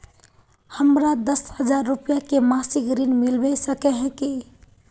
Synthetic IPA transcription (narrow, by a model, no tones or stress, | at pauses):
həmɾad̪əshəd͡ʒaɾːupijakemasikɾinmilbɛsəkɛɦɛ̃ki